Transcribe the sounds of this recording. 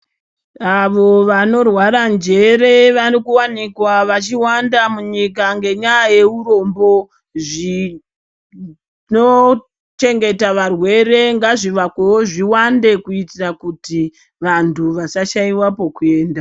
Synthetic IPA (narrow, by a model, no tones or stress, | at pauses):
aʋo̞ʋano̞rwaɾand͡ʒe̞re̞ʋarikuwanikwaʋat͡ʃiwandamuɲikaŋɡe̞ɲajaje̞uro̞mbo̞ | ʐi | no | t͡ʃe̞ŋɡe̞taʋarwe̞re̞ŋɡaʐiʋakewoʐiwande̞kuitirakuti | ʋantʰuʋasaʃaiwapo̞kue̞ːnda